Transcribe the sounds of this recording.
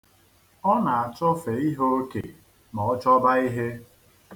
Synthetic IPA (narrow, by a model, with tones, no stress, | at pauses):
ɔ˦na˨a˨t͡ʃɔ˦fe˨i˦ɦo˦kḛ˨ | mɔ˨ɔ˦t͡ʃɔ˦ba˦i˦ɦe˦